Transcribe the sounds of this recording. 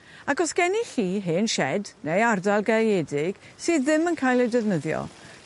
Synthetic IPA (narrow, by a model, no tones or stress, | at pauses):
aɡɔsɡ̥ɛniɬiːɦɪnʃɛdnejardalˠɡaɛdɪɡ̥ | sɨːððɪmənkʰaːjlˠɛdɛvnəðjɔ̰